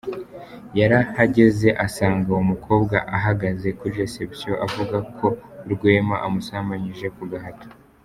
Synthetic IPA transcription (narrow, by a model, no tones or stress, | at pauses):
jaɾahaɟe̞ze̞ʔasaːŋɡaumukʰo̞ːbɡaʔaɦaɡaze̞kuɾiɾesepsijo̞ʔavuɡakʰo̞ɾɡweːmaʔamusamaɲiʒe̞kuɡaɦato̥